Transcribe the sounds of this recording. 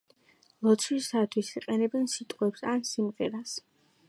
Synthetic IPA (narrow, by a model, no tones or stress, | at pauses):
lˠɔt̪sʰwisat̪ʰwisiqʼɛnɛbɛnsit̪ʼqʼwɛpsansimʁɛɾas